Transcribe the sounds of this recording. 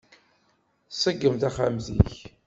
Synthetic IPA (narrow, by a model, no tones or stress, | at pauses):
səɡːəmt̪aχamzḭç